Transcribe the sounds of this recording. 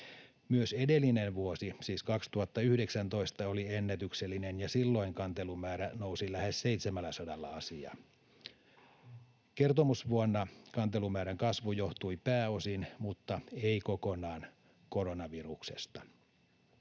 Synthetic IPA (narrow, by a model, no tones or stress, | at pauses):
myøsedelːinenʋuosisiːskɑkst̪uhɑt̪ːɑyhdeksænt̪o̞ist̪ɑolienːæt̪ykselːinenjɑsilːo̞iŋkɑnt̪elumæːɾænousilæhesseit̪semælːæsodɑlːɑ̰ɑsiɑ̰ | kert̪omusʋuonːɑkɑnt̪elumæːɾæŋkɑsʋujoht̪uipæːosinmut̪ːɑeikokonɑːn | koɾonɑʋiruksest̪ɑ̥